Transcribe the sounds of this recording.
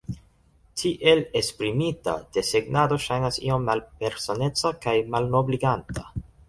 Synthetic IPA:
tʰiʔe̞le̞spɾimita̰d̥e̞seɡnado̞ʃajnasḭo̞mːalpe̞ɾsone̞t͡sakajmalno̞bliɡantʰa

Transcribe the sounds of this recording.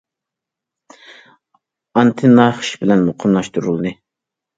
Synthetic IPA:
ɑnt̪ʰɨnɑχʃbɪlɛnmoqʰəmlˠɑʃt̪uɾulˠɨd̪ɨ

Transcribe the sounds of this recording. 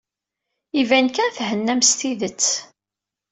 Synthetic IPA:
ivænkæθhənːæmst̪iðət͡sː

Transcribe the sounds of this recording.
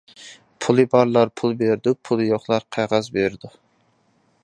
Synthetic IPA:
pʰulˠɨbɑɾlˠɑɾpʰulˠbeɾd̪upʰulˠjoχlˠɑɾqʰæʁɑzbeɾɪd̪u

